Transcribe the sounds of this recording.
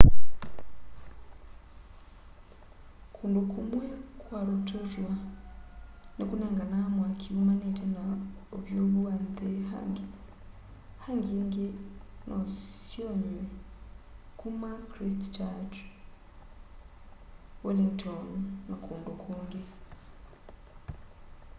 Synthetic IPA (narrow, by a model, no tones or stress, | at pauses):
kʰuːndukʰumwekwaɾutʰoʒwa | nekuneːŋɡanamwakʰiumanitʰenaoβjoːβuwand̪eha̰ŋɡe | haŋɡiŋɡenʔosjoɲwe | kumakɾistt͡ʃat͡ʃ | woliŋtʰonːakʰuːndukʰuːŋɡe